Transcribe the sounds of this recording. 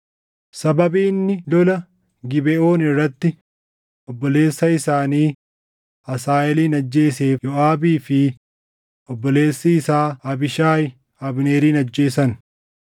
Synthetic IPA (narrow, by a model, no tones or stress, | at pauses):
sɐbɐbiːnːɪlɔlɐ | ɡɪbɛʔoːnɪrːɐt̪ːɪ | ʔɔbːɔle̞ːsːɐɪsaːniː | ɐsaːʔɛliːnɐd͡ʒːe̞ːseːjɔʔaːbiːfɪ | ɔbːɔle̞ːsːɪːsaːɐbɪʃaːjɪ | ɐbneːɾiːnɐd͡ʒːe̞ːsɐn